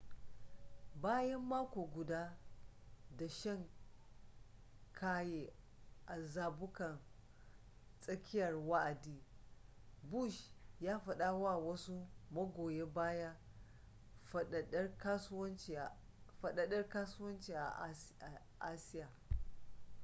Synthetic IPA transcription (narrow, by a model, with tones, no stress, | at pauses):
baː˦jɐ˦mːaː˦kʷoː˨ɡʷʊ˨daː˦ | da˨ʃɐ˦˨ŋ | kʰaː˦jeː˨ | ʔa˨zaː˨bʊ˦kɐ˨n | sʼɐ˦kʲɪ˦jɐ˨rwa˦ʔa˨diː˦ | bu˦˨ʃjaː˦ɸɐ˨ɗa˦wa˦˨wɐ˦su˦mɐ˦ɡʷoː˨je˦baː˦ja˦˨˦ | ka˦sʊ˦wɐ˦nt͡ʃ | fɐ˨ɗɐ˨ɗɐ˦rkaː˦sʊ˦wɐ˦nt͡ʃiː˨a˨a˨ | ʔa˦sɪ˦jaː˨